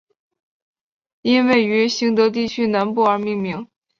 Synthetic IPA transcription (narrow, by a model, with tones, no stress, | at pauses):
i˥nwe˥˩ɪy˧˥ɕi˧˥ŋt̪ɤ˧˥t̪̬i˥˩t͡ɕʰy˥na˧˥npu˥˩ə˞˧˥mi˥˩ŋmi˧˥ŋ